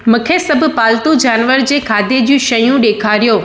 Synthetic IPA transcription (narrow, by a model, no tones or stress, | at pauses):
mʊ̃kʰesɐbʱʊ̆paːlt̪ud͡ʑaːnʋəɾd͡ʑeːkʰaːd̪ʱed͡ʑũʃɐjũɗeːkʰaːɾijoː